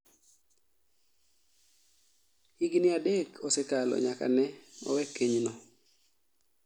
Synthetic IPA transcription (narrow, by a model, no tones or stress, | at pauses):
hiɡnɪadekʰɔsɛkalɔ̰ɲaka̰nɛɔ̰wɛkːeɲnɔ